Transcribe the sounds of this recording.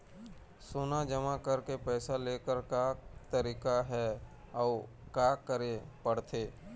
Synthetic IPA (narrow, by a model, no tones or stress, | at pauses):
soːnad͡ʒəmakəɾkepɛːsaleːkəɾkat̪əɾiːkaɦɛ | ɔː | kaːkəɾepəɽt̪ʰeː